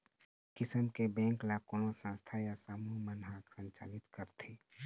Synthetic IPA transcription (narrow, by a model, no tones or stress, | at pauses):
kɪsəmkebɛ̃ːŋklakonosãːst̪ʰajasaːmumənɦaksə̃nt͡ʃa̰ːlɪt̪kəɾt̪ʰeː